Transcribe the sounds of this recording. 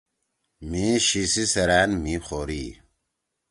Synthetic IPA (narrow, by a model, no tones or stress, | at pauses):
miɕisisɐɾaːnmixoːɾiː